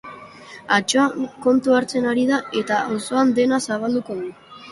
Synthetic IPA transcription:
at͡ʃoaŋko̞nt̪uaɾt͡se̞naɾið̞ae̞t̪aaso̞and̪e̞nasaβ̞ald̪uko̞ðu

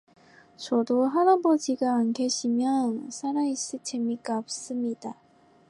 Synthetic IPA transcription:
t͡ɕʌdoɦaɾabʌd͡ʑiɡaːnɡeɕʰimjʌnsʰaɾais͈ɯt͡ɕʰemik͈aʌp̚s͈ɯmɲid̥a

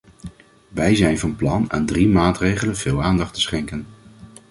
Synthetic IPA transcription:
ʋɛjzɛjnvɑnplɑna̰ːndrimaːtrejχələnv̥ɪːlˠaːndɑχtə̥sχɛŋkən

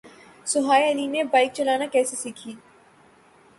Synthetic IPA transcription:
sʊɦaːjɐlinebaːɪk̚t͡ʃɐlaːnakɛːsesiːkʰiː

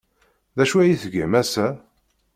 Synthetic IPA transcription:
ðæʃuæjiθəɡæmæsæ

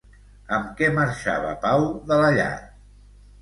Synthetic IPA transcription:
əmkɛməɾʃa̰βə̰pawðələʎa̰

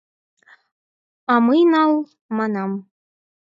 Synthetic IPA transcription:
ɑmɤjnɑlˠ | mɑnɑm

